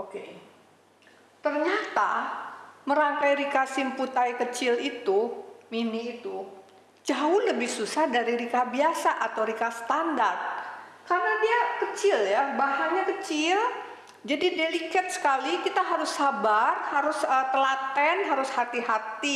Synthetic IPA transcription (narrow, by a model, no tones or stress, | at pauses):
oke | t̪ərɲat̪a | məɾaŋkajɾikasɪmput̪ajkət͡ʃɪlit̪uminiːt̪u | d͡ʒaʊhləbɪhsusahdaɾiɾikabiasaʔat̪awɾikasə̥t̪andart̪̚karnadiakət͡ʃɪljabaɦaɲakət͡ʃɪl | d͡ʒadidelikɛt̪̚sə̥kalikit̪aɦaɾʊsːabarhaɾʊsət̪əlat̪ɛnɦaɾʊshat̪iɦat̪i